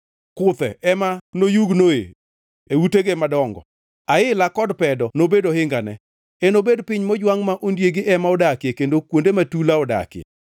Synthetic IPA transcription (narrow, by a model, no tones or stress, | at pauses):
kʊt̪ɛ̰ɛmanojuɡnoḛ | euteɡemadɔŋɡɔ̰ | aɪlakɔdpɛdɔnobedohɪŋɡanɛ̰ | enobedpɪɲmɔd͡ʒwaŋmaʔondjeɡɪʔɛmaɔdakekendokwondematulaɔda̰kjḛ